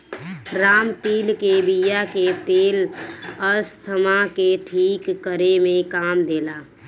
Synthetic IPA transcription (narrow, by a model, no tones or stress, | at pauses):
ɾaːmt̪iːlkebijaket̪eːləst̪ʰəmakeʈʰiːkːəɾemẽkaːmd̪eːla